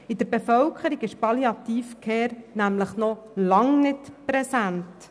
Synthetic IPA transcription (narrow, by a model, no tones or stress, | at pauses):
ɪd̥̪əɾbefœwkʰəɾiɡɪʃpɑliɑt̪iːfkʰeːɾnæmləχnɔ | lɑŋnɪtpɾɛsænt